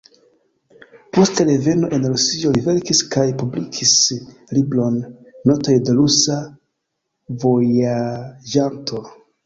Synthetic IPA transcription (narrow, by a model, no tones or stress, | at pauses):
po̞staɾeve̞no̞ʔe̞nɾusio̞live̞ɾkiskajpublikʰislibɾo̞nːo̞to̞jde̞ɾusa | vo̞jad͡ʒantʰo̞